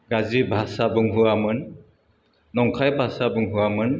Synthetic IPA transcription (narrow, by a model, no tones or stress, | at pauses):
ɡazibʱasabɯŋɦuwamɯn | nɔŋkʰajbʱasabɯŋɦuwamɯn